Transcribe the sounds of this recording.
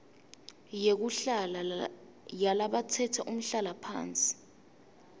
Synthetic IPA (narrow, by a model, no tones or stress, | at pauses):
jek̬uɬala | jalaɓat͡sʰɛtʰɛʔum̩ɬalapʰa̰ːnt͡sʼi̥